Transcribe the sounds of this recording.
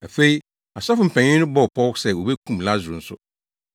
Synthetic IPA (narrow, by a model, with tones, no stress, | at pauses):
æ˨fe˦i˦ | a˨sa˦fʊ˨m̩˨pʰɛ̃˨ɲɪ̃˦nʊ̃˦bɔ˦˨pʰɔ˦wsɛ˦˨wo˨be˦kʰũ˦mla˦zʊ˨ɾʊ̃˨n̩˦sʊ˦